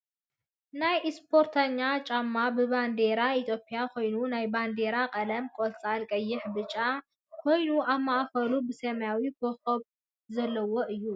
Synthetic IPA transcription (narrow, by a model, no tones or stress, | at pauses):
najspʰo̞ɾt̪ʰaɲːat͡ʃʼamːabɨband̪eɾait̪ʰjo̞pʼijakʰo̞jnunajband̪e̞ɾakʼɐlɐmkʼolsʼalkʼɐjːɪħbɨt͡ʃʼːa | kʰo̞jnuʔaβmaʔfɐlubɨsɐmjawikʰoxɐβ | zɐlːɐwoʔɨjːu